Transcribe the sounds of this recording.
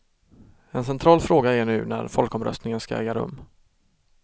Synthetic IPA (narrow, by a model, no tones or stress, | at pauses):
ɛnsɛnt̪ʰɾɑːlfɾoːɡaæɳʉ̟ːnæ̰ɾfɔlkɔmɾœ̰st̪nɪŋənskaɛ̰ːɡaɾɵ̰mː